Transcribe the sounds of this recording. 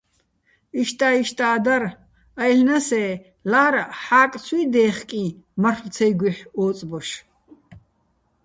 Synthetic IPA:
iʃt̪ʼaːiʃt̪ʼaːd̪aɾ | ɐjɬnɐsɛː | laːɾħaːkʼt͡sʰiːd̪ɛːχkʼi | mɐχlt͡sʰɛjɡʷiħɔːt͡sʼbɔʃ

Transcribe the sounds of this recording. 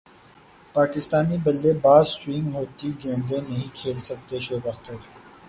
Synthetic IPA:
paːkɪst̪aːnibɐlːebaːzswĩŋɡɦoːt̪iɡẽːnd̪ẽnɐɦĩkʰeːlsɐk̚t̪eʃoːbɐxt̪əɾ

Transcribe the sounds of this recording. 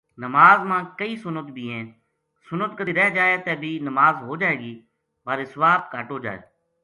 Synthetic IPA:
nəmaːzmãːkəiːsʊnət̪bʱiːẽː | sʊnət̪kəiɾɛːd͡ʒaːeːt̪eːbʱiːnəmaːzɦoːd͡ʒaːeːɡiː | ʋaːɾiːsʋaːbkaːʈoːd͡ʒa̰ːḛː

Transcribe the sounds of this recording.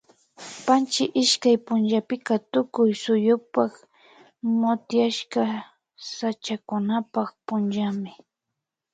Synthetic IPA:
pant͡ʃɪʔɪʃkajpʊnʒapɪkat̪ʊkʊjsʊjʊpak | mʊt̪jaʃka | sat͡ʃakʊnapaχpʊnʒamɪ

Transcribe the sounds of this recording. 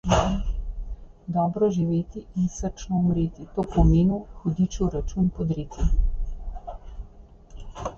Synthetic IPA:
d̪ɔːbɾɔʒiʋeːt̪iinsəɾt͡ʃnɔumɾit̪it̪oːpɔmeːnuxud̪it͡ʃuɾat͡ʃupɔd̪ɾiːt̪i

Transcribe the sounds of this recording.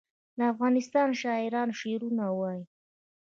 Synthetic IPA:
d̪əafɣɑnɪst̪ɑnʃɑɪɾɑnʃeɾunawɑji

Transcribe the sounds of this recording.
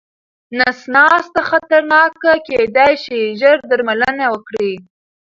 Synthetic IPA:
nasnɑst̪axat̪aɾnɑkaked̪ajʃiʒəɾd̪aɾmalənawəkɽi

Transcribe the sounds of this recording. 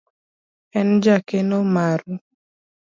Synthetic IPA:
ɛnd͡ʒakenomaɾu

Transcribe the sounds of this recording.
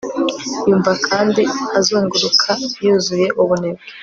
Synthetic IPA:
juːɱvakʰaːndiazoːŋɡuɾukʰajuzuje̞ʔuβuneɡe

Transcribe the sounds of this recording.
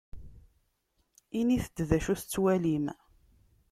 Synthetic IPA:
iniθəd̪ðæʃuθət͡sːwælim

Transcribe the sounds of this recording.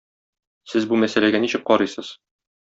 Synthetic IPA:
sɘzbumæsælæɡæniɕɘk̚qɒɾɤjsɤz̥

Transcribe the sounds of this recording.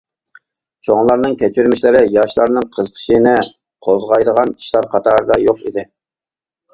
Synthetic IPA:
t͡ʃʰoŋlˠɑɾnɨŋkʲɛt͡ʃʰyɾmiʃlɪɾɪjɑʃlˠɑɾnɨŋqʰəzqʰə̥ʃinɪ | qʰozʁɑjd̪əʁɑni̥ʃlˠɑɾqʰɑt̪ʰɑːɾɨd̪ɑjoqḭd̪ɪ

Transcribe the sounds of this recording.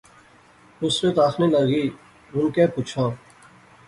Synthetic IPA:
usɾeːt̪aːxnẽːləɡiː | ʊnkeːpuːt͡ʃʰãː

